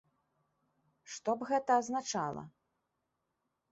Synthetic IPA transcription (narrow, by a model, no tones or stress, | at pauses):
ʂt̪ɔbɣɛt̪ɐːznat͡ʂa̰lˠɐ̰